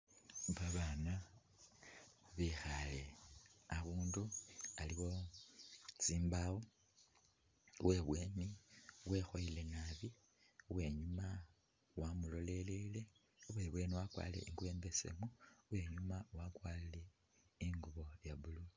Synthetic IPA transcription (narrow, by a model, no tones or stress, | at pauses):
βaβana | βixale̞aβuːndualiɣo̞ | t͡siːmbawo | we̞βwe̞ːniwe̞xoile̞naβi | uwe̞ɲuma | wamulo̞le̞lele̞ | uβwe̞βwe̞ːniwakwa̰ːle̞̰ʔiŋɡuβe̞ːmbe̞sḛmuwe̞ɲumawakwalile̞ | iŋɡuβo̞ljaβulu